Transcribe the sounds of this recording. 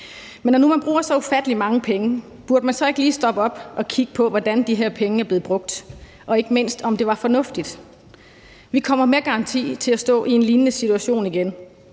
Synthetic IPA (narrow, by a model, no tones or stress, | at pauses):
menɒnumænb̥ʁuːɐsɒ̽u̥fæd̥əlimɑ̈ŋəpʰeŋə | b̥uɐd̥əmænsɒ̽e̝ɡ̥liːsd̥ɒ̽b̥əɒ̽b̥ɒ̽kʰiɡ̥əpʰɒ̽ʋɒd̥ænd̥iɦeɐ̰pʰeŋəæɐble̝ːð̩ˠb̥ʁɔ̽ɡ̥̚d̥ | ʔɒ̽e̝ɡ̥əme̝n̰sd̥ɒ̽md̥e̝ʋɑ̈fɒ̽nɔ̽fd̥id̥ | ʋikʰɒ̽m̰ɐme̝ːɐɡ̥ɑ̈ɑ̈nt͡sʰḭːt͡sʰe̝læsd̥ɔ̰̽ːʔie̝nliːnnəsit͡sʰuæɕo̝̰ːniɡ̥en